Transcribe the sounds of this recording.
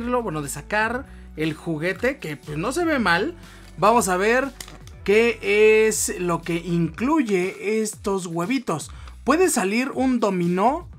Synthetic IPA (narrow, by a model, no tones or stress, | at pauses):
ɾlo̞bwenoðe̞sakaɾ | e̞lxuɣe̞t̪e̞kepwesno̞se̞βemal | bamo̞s̬aβ̞e̞ɾ | ke̞eslo̞ke̞ʔiŋkluʝe̞est̪o̞zɣwe̞βit̪o̞s | pwe̞ðesaliɾund̪o̞mĩno